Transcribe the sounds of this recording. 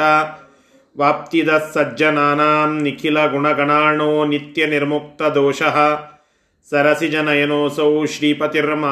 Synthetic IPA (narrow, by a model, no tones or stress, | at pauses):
ɐ | ʋaːp̚t̪id̪ɐsːɐd͡ʒɐnaːnaːmnikʰilɐɡuɳɐɡɐɳaːɳoːnit̪jɐniɾmuk̚t̪ɐd̪oːʃɐɦɐ̆ | sɐɾɐsid͡ʒɐnɐjɐnoːsɐwʃɾiːpɐt̪iɾmaː